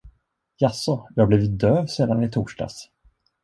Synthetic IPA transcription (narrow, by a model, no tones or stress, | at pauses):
jasːɔjɑːhabliːvɪt̪̚d̪øːvseːd̪anɪt̪ʰuːʂɖa̰s